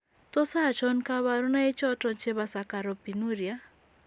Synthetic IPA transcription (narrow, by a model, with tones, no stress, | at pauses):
t̪ɔ˦sa˦˨t͡ʃɔ˦nka˦βa˨ɾu˦na˦e˦t͡ʃɔ˦tɔ˦nt͡ʃe˦βa˦sa˨ka˨ɾɔ˨pi˨nu˦ɾja˦